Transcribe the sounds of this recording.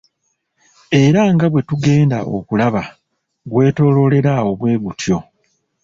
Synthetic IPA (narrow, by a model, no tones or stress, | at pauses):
e̞ɾaŋɡaβwe̞tuɡe̞ːndaʔo̞̰kulaβa | ɡwe̞ːto̞ːlo̞le̞ɾao̞βwe̞ːɡutjo̞